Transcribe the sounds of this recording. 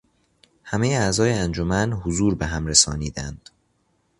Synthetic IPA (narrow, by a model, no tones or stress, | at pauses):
hæmejeæzɒːjeænd͡ʒomænhozuːɾbe̞ɦæmɾesɒːniːd̪ænd̪̥